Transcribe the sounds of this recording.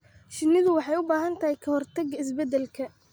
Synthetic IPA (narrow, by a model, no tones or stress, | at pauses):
ʃɪnɪðʊwɑħɑjʊbaːɦɐnt̪ʰɐhɛjkʰɐhɔrt̪ʰɐɡɐɪs̬bɛd̪ɛlkʰɐ